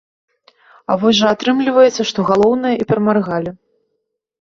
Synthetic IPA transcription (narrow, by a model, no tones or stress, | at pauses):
a̰vɔsʲʐɐat̪ɾɨmlʲivɐjɛt̪sːɐʂt̪ɔɣalˠɔwnɐjɐipʲɛɾmarɣalʲi